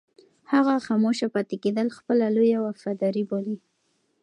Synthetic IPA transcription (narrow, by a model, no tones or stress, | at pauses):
haɣaxɑmoʃapɑt̪eked̪əlxpəlalojawafad̪ɑɾiboli